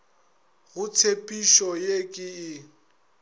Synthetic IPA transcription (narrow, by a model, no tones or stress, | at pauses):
ɣʊtʰepʼiʃɔjekʼɪɪ